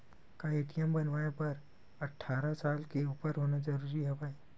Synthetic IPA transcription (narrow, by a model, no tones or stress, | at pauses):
kaeʈijəmbənʋajapəɾ | əʈʰːaɾasalkeupəɾɦonad͡ʒəɾuɾiɦəʋaj